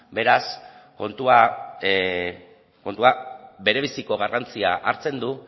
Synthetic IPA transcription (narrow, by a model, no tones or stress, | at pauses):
be̞ɾas | ko̞nt̪ua | ko̞nt̪uabe̞ɾe̞βisiko̞ɣ̞arant͡siaʔaɾt͡se̞nd̪u